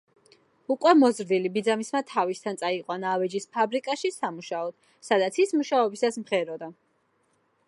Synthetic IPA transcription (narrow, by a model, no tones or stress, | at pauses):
ukʼwɛmɔzɾd̪ilibid̪zamismat̪ʰavist̪ʰant̪sʼaiqʼwanavɛd͡ʒispʰabɾikʼaʃisamuʃaɔd̪̥ | sad̪at̪sʰismuʃaɔbisasmχɛɾɔd̪a